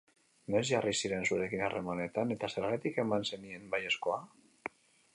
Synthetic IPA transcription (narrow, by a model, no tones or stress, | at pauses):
no̞zʝarisiɾe̞nsuɾe̞kinare̞mane̞t̪ane̞t̪ase̞ɾɣ̞at̪ike̞manse̞nie̞nbaje̞sko̞a